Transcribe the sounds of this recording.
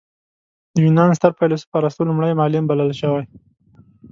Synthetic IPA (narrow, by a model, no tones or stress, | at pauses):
d̪əwinɑns̬t̪əɾpajlosə̥pɑɾast̪olʊmɽajmɑlɪmbaləlʃəwaj